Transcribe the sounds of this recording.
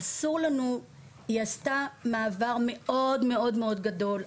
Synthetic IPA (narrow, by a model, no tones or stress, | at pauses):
asuʁlanu | iastamaːvaʁme̞ʔo̞dme̞o̞dmeo̞d̪ɡado̞l